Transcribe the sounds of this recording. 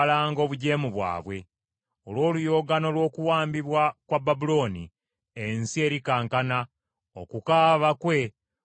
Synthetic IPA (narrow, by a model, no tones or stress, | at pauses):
laːŋɡo̞ːβuɟe̞ːmuβwa̰ːβwe̞ | olwo̞ːlujo̞ːɡano̞lwo̞ːkuwaːmbiβwakwababulo̞nḭ | ensie̞ːɾikaːŋkana | okukaːβakwe̞